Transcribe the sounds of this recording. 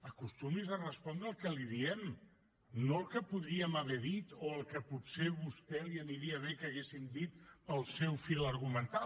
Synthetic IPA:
əkust̪umizərəspɔnd̪ɾəlˠkəliðiɛm | nolˠkəpuðɾiəməβɛðit̪oəlˠkəpuseβust̪ɛliəniɾiəβ̞ekəɣesind̪it̪əlˠsɛwfiləɾɣumənt̪a

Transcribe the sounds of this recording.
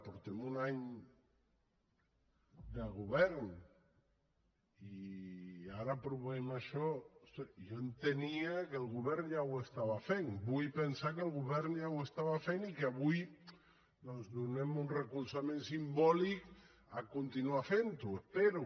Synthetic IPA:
puɾt̪emunaɲ | d̪eɣuβɛɾn | i | aɾapɾuβemaʃɔsejoent̪eniakelɣuβɛɾnjawest̪aβafeŋbujpensakelˠɣuβɛɾnd͡ʒawest̪aβafenikaβuj | d̪onzd̪unemunrekulsamẽnsimbɔlik | akunt̪inuafent̪uepeɾu

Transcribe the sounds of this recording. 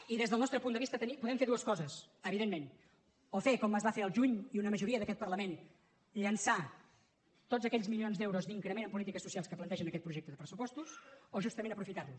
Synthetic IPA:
iðezðəlˠnɔst̪ɾəpund̪əβist̪ət̪ənipuðɛmfeɾðuəskɔzəs | əβiðemmen | ofekɔməzβafeɾəlˠʒuɲiunəməʒuɾiəðəkɛt̪pərləmen | ʎənsa | t̪od͡zəkɛʎzmilionzd̪ɛwɾuzd̪iŋkɾəmenəmpulit̪ikəsusialˠskəplənt̪ɛʒənəkɛt̪̚pɾuʒɛk̚t̪əðəpɾəsupɔst̪usoʒust̪əmenəpɾufit̪aɾlu

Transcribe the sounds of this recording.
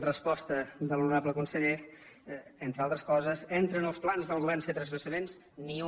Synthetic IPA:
rəspɔst̪əd̪əlˠunɾaβləkunsəʎe | ent̪ɾalˠt̪ɾəskɔzəzent̪ɾənəlˠsplanzðəlˠɣuβɛrnfet̪ɾəzβəsəmens | niu

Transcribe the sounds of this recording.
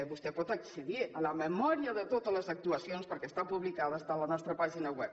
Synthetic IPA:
βust̪ɛpɔt̪əksiðiələməmɔɾiəðət̪ot̪əzləzək̚t̪uasionspəɾkɛst̪apuβlikaðəst̪alənɔst̪ɾəpaʒinawɛp̚

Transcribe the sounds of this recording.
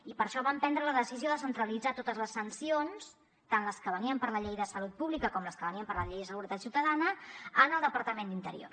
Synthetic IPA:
ipəɾʃɔβampɛnd̪ɾələðəsizioðəsənt̪ɾəlid͡zat̪ot̪əzləsənsions | t̪anləskəβəniəmpəɾləʎejðəsəlut̪̚puβlikəkɔmləskəβəniəmpəɾləʎejðəsəɣuɾət̪at̪siuwt̪əðanəənəlˠd̪əpəɾt̪əmend̪int̪əɾḭo̰ɾ

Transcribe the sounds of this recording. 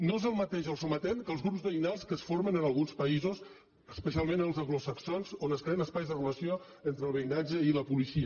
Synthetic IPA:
noezəlˠmət̪eʒəlˠsumət̪ɛnkəlˠzɣɾupzðəinalˠskəsfoɾmənənəlˠɣunspəizus | əspəsialˠmẽnəlˠzəɣlosəksonzonəskɾeənəspajzðərələsjo | ent̪ɾəlˠβəinad͡ʒəiləpulisiə

